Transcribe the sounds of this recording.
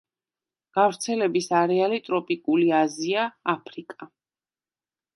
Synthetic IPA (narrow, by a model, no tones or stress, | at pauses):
ɡ̥avɾt̪sʰɛlɛbisaɾɛalit̪ʼɾɔpʼikʼuliaziaːpʰɾikʼa